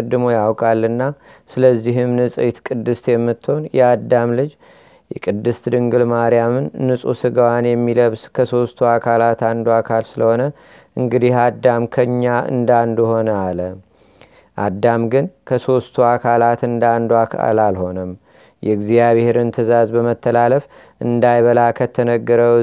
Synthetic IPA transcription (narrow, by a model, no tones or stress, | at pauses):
d̪ːɨmo̞jawkʼalːɨnːa | sɨləzːiɦɨmnɨsʼt̪kʼɨd̪ːɨst̪jɛmːɨt̪ʰːonjɛad̪ːamlɨd͡ʒ | jɛ̰kʼɨd̪ːɨst̪d̪ɨŋɡɨlmaɾjamɨnːɨsʼṵsɨɡəwanjɛmːiləβskʰəso̞st̪ʰuakʰalat̪and̪uakʰalsɨləho̞nə | ʔɨŋɡɨd̪ihad̪ːamkʰəɨɲːaɨ̰nd̪and̪uho̞nəalə | ʔad̪ːamɡɨnkʰəso̞st̪ʰuakʰalat̪ɨnd̪and̪uakʰa̰lalho̞nəm | jɛɡzijaβeheɾɨnt̪ʰɨzazbəmət̪ʰːəlaləf | ʔɨnd̪ajβəlakʰət̪ʰənəɡːəɾə